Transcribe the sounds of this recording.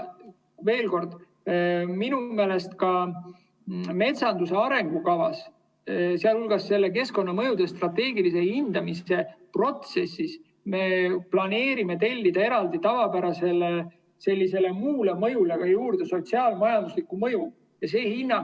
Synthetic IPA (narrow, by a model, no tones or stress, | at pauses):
ve̞ːlko̞rd̪̥ | minume̞ːle̞st̪kɑ | me̞t̪sɑnd̪use̞ɑɾe̞ŋɡ̥ukɑvɑs | seɑlulɡ̥ɑsːe̞lːe̞k̬e̞sko̞nːɑmɤ̞jud̪̥e̞st̪rɑt̪ːe̞ːɡilise̞hind̪̥ɑmise̞pro̞t̪se̞sːis | me̞plɑne̞ːɾime̞t̪e̞lʲːid̪̥ɑe̞ɾɑld̪it̪ɑvɑpæɾɑse̞le | se̞lʲːise̞le̞muːlemɤjuleɡ̥ɑjuːɾd̪̥e̞so̞t̪siɑlmɑjɑnd̪̥uslikumɤ̞ju | jɑse̞ːhinːɑ